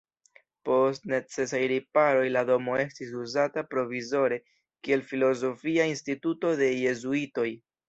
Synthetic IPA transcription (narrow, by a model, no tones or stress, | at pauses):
po̞stne̞t͡se̞s̬ajɾipaɾo̞jlado̞mo̞e̞stis̬uzatapɾo̞vizo̞ɾe̞ | kie̞lfilo̞zo̞fiainstituto̞de̞je̞zuito̞j